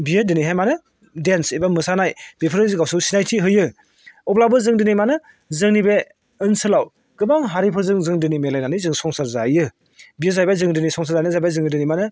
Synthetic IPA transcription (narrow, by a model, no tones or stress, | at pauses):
biɯdɯniɦajmanɯ | densebamɯsanajbepʰɯɾɯziɡawsɯwsinajtʰiɦɯjɯ | ɔplabɯzɯŋdɯnijmanɯ | zɯŋnibe | ɯnsɯlaw | ɡ̥ɯbaŋɦaɾipʰɯzɯŋzɯŋdɯnimelajnanɯjzɯŋsɔŋsaɾzajɯ | bijɯzajbajzɯŋdɯnisɔŋs̬ʰaɾzajnɯzajbajzɯŋidɯnimanɯ